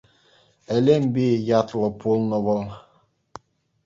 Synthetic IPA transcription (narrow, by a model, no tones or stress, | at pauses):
ɛlɛmbijat̪lɔpulnɔvɔl